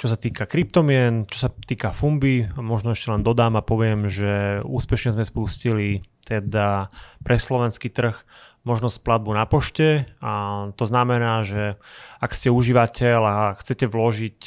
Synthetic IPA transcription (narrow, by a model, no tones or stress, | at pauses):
t͡ʃɔsat̪iːkakɾip̚t̪ɔmɪɛnt͡ʃɔ̥sat̪iːkafumbimɔʒnɔɛʃcɛlɛnd̪ɔd̪aːmapɔʋɪɛmʒɛṵːspɛʃɲɛzmɛspuscilit̪ɛd̪apɾɛslɔʋɛnskiːt̪r̩x | mɔʒnɔsplad̪̚bunapɔʃcɛat̪ɔznamɛnaːʒɛakscɛuʒiʋacɛlaxt͡sɛcɛʋlɔʒic